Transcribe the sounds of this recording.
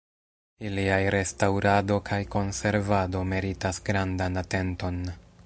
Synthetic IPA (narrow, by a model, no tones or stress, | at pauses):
iliajɾe̞stawɾado̞kʰajko̞nse̞ɾvado̞me̞ɾitasɡɾandanate̞nto̞n